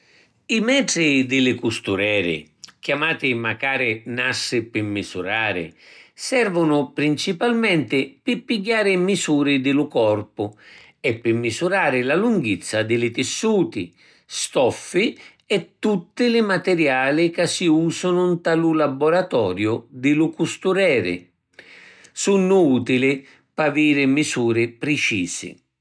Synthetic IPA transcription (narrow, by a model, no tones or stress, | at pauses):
imɛːdɾɪd̪ɪlɪkust̪uɾɛːɾɪ̰k̟jamaːt̪ɪmakaːɾɪnasːɪpɪmːizuɾaːɾɪ̰sɛrvʊnʊpɾint͡ʃipalmɛnt̪ɪpɪpːiɡjaːɾɪmisuːɾɪd̪ɪlʊkɔrpʊ | ɛpːɪmːisuɾaːɾɪlaluŋɡit̪sːad̪ɪlɪt̪ɪsːuːt̪ɪ̰ | st̪ɔfːi | ɛt̪ːut̪ːɪlɪmat̪ɛɾjaːlɪkasːiuːsʊnʊnt̪alʊlabɔɾat̪ɔːɾjʊd̪ɪlʊkust̪uɾɛːɾɪ̰ | sunːʊuːt̪ilɪ | paviːɾɪmisuːɾɪpɾɪt͡ʃiːsɪ̰